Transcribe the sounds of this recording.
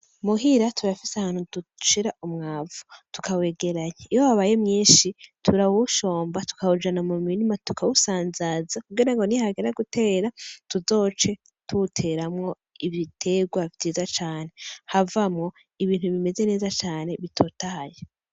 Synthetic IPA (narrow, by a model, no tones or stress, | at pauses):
muɦiɾatʰuɾafisahaːn̥huduʃiɾaʔumŋaːvu̥tu̥kʰawe̞ːɡe̞ɾaɲeijowaβajemɲiːnʃitʰuɾawuʃo̞ːmbatu̥kawud͡ʒanamuminimatukʰawusaːnzazakuɡiɾaŋɡo̞nihaɡeɾaɡute̞ːɾatuzo̞ːt͡ʃe̞ | tʰutʰe̞ɾamŋo̞ | iβitʰe̞ɡwaviːzat͡ʃaːne̞havamŋo̞ | iβiːn̥huβime̞ze̞ne̞ːzat͡ʃaːne̞βitʰo̞taje